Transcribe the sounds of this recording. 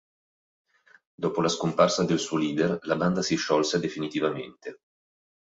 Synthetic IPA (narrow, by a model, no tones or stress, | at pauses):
d̪ɔːpolaskomparsad̪elsuoliːd̪erlaband̪asiʃːɔlsed̪efinit̪ivamḛnt̪e